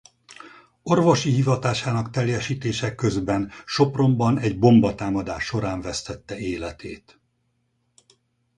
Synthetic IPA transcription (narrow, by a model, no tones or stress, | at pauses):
o̞rvo̞ʃiɦivɒt̪aːʃaːnɒkt̪ɛljɛʃiːt̪eːʃɛkːø̞zbɛnʃo̞pro̞mbɒnɛɟbo̞mbɒt̪aːmɒd̪aːʃːo̞ɾaːɱvɛst̪ɛt̪ːɛeːlɛt̪eːt̪